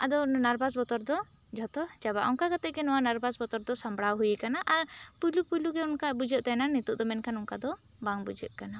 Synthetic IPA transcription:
ad̪ɔnaɾbasbɔt̪ɔɾd̪ɔ | d͡ʒʱɔt̪ɔd͡ʒaba̰ʔɔŋkakat̪ɛʔɡɛnɔwanaɾbasbɔt̪ɔɾd̪ɔsambɽawɦujɛkanaʔaɾpulupuluɡɛɔnkabud͡ʒəʔ̚t̪ajnanit̪uʔd̪ɔmɛnkanɔŋkad̪ɔ | baŋbud͡ʒə̰ʔ̚kana

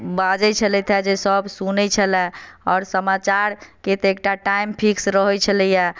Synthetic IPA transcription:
bad͡ʒət͡ʃʰəlɛt̪ʰɛd͡ʒesəbsunɛt͡ʃʰəlɛɔːɾsəmat͡ʃaɾket̪ek̚ʈaʈaimpʰiksɾəɦɔt͡ʃʰələja

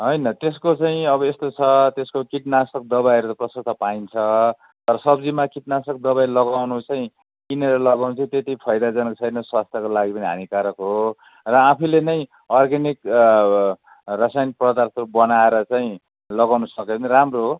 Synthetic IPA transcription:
ɦʌjnʌt̪eskot͡saĩʌbʌest̪ot͡sʰʌt̪eskokiʈnasʌk̚d̪ʌβajɾut̪ʌprʌsʌk̚t̪ʰʌpaint͡sʰʌ | t̪ʌɾʌsʌbd͡zimakiʈ̚nasʌk̚d̪ʌβajlʌɡawnut͡saĩ | kineɾʌlʌɡawnut͡saĩt̪et̪ipʰʌjd̪ad͡zʌnkt͡sʰʌjnʌswast̪ʰjʌkolaɡipʌniɦa̰nikaɾʌkɦo | rʌapʰilenʌj | ʌrɡanik | rʌsajnprʌd̪arsʌubʌnaeɾʌt͡saĩ | lʌɡawnusʌkepʌniramroɦ

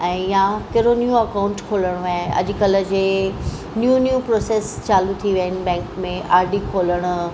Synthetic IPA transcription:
ɛ̃ːjãkɐɾonijũɐkaʊ̃ɳʈkʰoːləɽ̃aːɦɐ̰ʄ̆kələ̆d͡ʑeː | njunjupɾoːseːst͡ɕaːlut̪ʰiʋəɦɪnɪ̆bɛ̃ːŋkmẽʔaːɾɖikʰoːləɽ̃ʊ̆

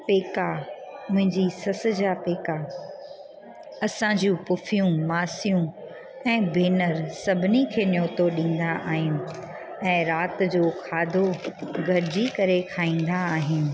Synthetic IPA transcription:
peːkamʊ̃ɦɪ̃ɲd͡ʑisɐs̆d͡ʑapeːka | ɐsãd͡ʑũpʊfijũmaːsijũ | ɛ̃ːbʱeːnəɾsɐbʱɪnikʰeːnjoːt̪oɗĩːn̆d̪aʔaːɦɪnɪ̆ | ɛ̃ːɾaːt̪̆d͡ʑoːkʰaːd̪ʱoɡʱɐɾɪd͡ʑikɐɾekʰaːĩːn̆d̪aːɦɪnɪ̆

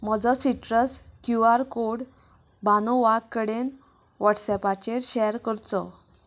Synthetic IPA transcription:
mɔd͡zɔsiʈɾəskjuaɾkoɽ | banɔʋakːəɽen | ʋaʈsɛpat͡ɕeɾɕɛɾkəɾt͡sɔ

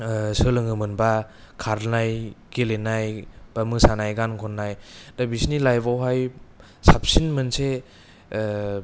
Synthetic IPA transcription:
sɯlɯŋɯmɯnba | kʰaɾnajkelenajb̥amɯsanajɡankʰɔnːajdabisnilajbawɦaj | sap̚sinmɯnse

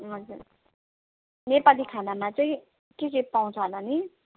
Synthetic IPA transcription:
ɦʌd͡zuɾ | nepalikʰanamat͡sʌĩ | kesipaw̃t͡sʰʌɦʌnʌni

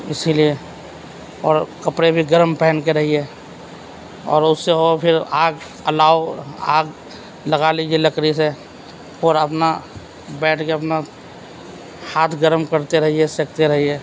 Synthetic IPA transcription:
ɪsilie | ɔːɾkəpɽebʱiɡəɾmpɛːnkeɾɐɦiɦeː | ɔ̰ːɾʊsːeɦopʰɪɾaːɡ | əlaːoa̰ːɡ | ləɡaliːd͡ʒieləkɾise | ɔːɾəpna | bɛːʈʰkeɐpna | haːt̪ʰɡəɾmkəɾt̪eɾɐɦiɦesekt̪eɾɐɦiɦɛː

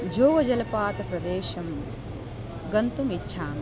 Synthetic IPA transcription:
d͡ʒoːʋɐd͡ʒɐlɐpaːt̪ɐpɾɐd̪eːʃɐm | ɡɐnt̪umitːʃʰaːm

